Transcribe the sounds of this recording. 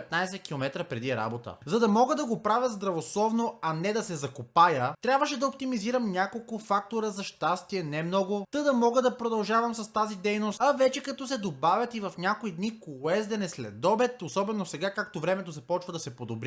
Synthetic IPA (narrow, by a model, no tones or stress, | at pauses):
pɛt̪najsɛkʲilˠomɛt̪ɾəpɾɛd̪iɛɾa̰bot̪ə̰zɐd̪ɐmɔɡəd̪ɐɡopɾavʲjɐzd̪ɾɐvoslˠɔvnoɐnɛd̪ɐsɛzɐkopajət̪ɾʲabvəʃɛd̪ɐop̚t̪imiziɾəmnʲakolˠkʊfak̚t̪oɾəzɐʃt̪ast̪iɛnɛmnɔɡʊt̪əd̪ɐmɔɡəd̪ɐpɾod̪ɐlˠʒavɐmsɐst̪azid̪ɛjnosɐvɛt͡ʃɛkɐt̪ɔsɛd̪obavʲjɐt̪ivɐfnʲakoid̪nikɛzd̪ɛnɛslɛ̰d̪ɔbɛt̪osɔbɛnosɛɡakak̚t̪ovɾɛmɛt̪ozɐpɔt͡ʃvɐd̪ɐsɛpod̪obɾʲi